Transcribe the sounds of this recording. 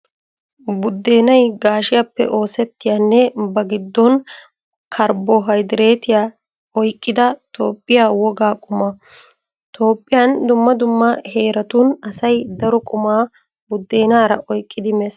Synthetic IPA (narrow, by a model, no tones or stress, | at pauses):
bʊd̪ːe̞ːnɐjɡaːʃɪjaːpːɛ̰ʔo̞ːsɛt̪ːɪjaːnːɛbɐɡɪd̪ːɔn | kʰɐɾbɔɦɐjd̪ɪɾe̞ːt̪ɪjaː | ɔjkʼːɪd̪ɐt̪oːpʼːɪjaːwɔɡaːkʼʊmɐ | t̪ʰo̞ːpʼːɪjand̪ʊmːɐd̪ʊmːɐhe̞ːɾɐt̪unɐsɐjd̪ɐɾɔkʼʊmaː | bʊd̪ːe̞ːnaːɾɐʔɔjkʼːɪd̪ɪmɛs